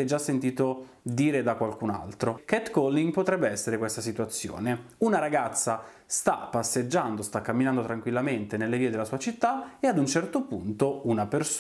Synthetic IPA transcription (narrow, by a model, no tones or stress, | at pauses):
ɛd͡ʒːasːent̪iːt̪o | d̪iːɾed̪akwalkuna̰lt̪ɾokɛt̪kɔlːiŋɡpot̪ɾɛbːeɛsːeɾekwest̪asit̪uwat̪sːjo̰ːneunaɾaɡat̪sːa | st̪apːasːed͡ʒːand̪ost̪akːamːinand̪ot̪ɾaŋkwilːament̪enelːeviːed̪elːasuːat͡ʃit̪ːaead̪unt͡ʃɛrt̪opunt̪ounapers